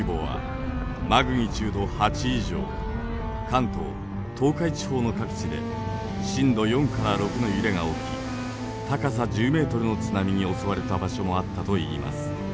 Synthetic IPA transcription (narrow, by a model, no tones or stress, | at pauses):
ibo̞ːβa̰ | maɡɯ̟ɲ̟it͡ɕɨːd̪o̞hat͡ɕiːʑo̞̰ː | kãnt̪o̞̰ː | t̪ʰo̞ːkait͡ɕi̥ho̞ːno̞kakɯ̟̥t͡ɕid̪e̞̰ | ɕĩnd̪o̞jõ̞ŋkaɾaɾo̞kɯ̟no̞jɯɾe̞ŋao̞kʲḭ | t̪akas̬ad͡ʑɨːme̞ːt̪o̞ɾɯ̟no̞t͡sɨnamʲiɲ̟io̞so̞βaɾe̞t̪abaɕo̞mo̞at̪ːat̪o̞ḭːmʔa̰sɨ̥